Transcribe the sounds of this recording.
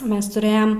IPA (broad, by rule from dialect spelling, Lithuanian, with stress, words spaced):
ˈmʲɛs tʊˈrɘjɛm